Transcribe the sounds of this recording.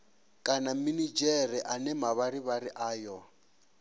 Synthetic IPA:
kʼanaminid͡ʒɛɾiʔanɛmaβaɾiβaɾiʔaːjɔ

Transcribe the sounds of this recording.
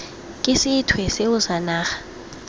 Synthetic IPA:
kʼɪsɪtʰwɛseʊsanaːxḁ

